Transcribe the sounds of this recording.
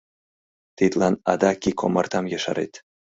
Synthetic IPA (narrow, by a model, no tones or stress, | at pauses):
t̪it̪lɑnɑ̰d̪ɑkʲikʰomɑrt̪ɑmjɑʃɑ̰ɾḛt̪